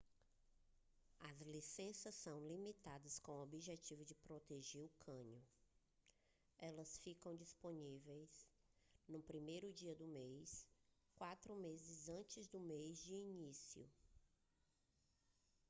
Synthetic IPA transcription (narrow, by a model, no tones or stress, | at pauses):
ɐzlisẽsɐsːɐ̃w̃limit̪ad̪ɐskõw̃obiʒet͡ʃivʊd͡ʒɪpɾot̪eʒeɾʊkʰɐ̃ɲʊ | ɛlɐsfikɐ̃w̃d͡ʒisponivejs | nʊpɾimejɾʊd͡ʒiɐd̪ʊmejs | kwat̪ɾʊmezɪzɐ̃t͡ʃɪzd̪ʊmejzd͡ʒɪinisiʊ̰